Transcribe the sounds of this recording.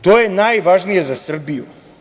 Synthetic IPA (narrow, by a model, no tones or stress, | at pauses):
t̪ojenajʋaʒnije̞zasr̩bijṵ